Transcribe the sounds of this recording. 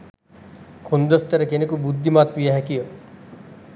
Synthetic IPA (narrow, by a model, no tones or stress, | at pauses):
kʰund̪əst̪ɐɾekenekubud̪ʱːimaːt̪pijaɦɛkio